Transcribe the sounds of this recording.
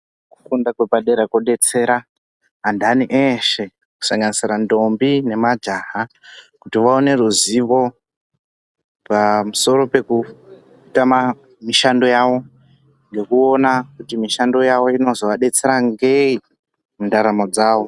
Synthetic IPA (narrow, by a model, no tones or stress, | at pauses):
ku̥kundakwepaɗe̞ɾekoɗe̞t͡se̞ːɾa | ɦandaniʔeʃe̞ | ku̥saŋɡanisirando̞mbine̞mad͡ʒaɦakutiʋaone̞ruziʋo̞ | pamuso̞ɾo̞pe̞ku | tama | miʃando̞jaʋo̞ | ŋɡe̞kuo̞nakutimiʃando̞jaʋo̞ino̞zo̞ʋaɗe̞t͡se̞ɾaŋɡei | ndaɾamod͡zaːʋo̞